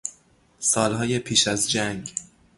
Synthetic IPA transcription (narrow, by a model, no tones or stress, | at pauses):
sɒːlɦɒːje̞pʰiːʃæzd͡ʒæŋɡ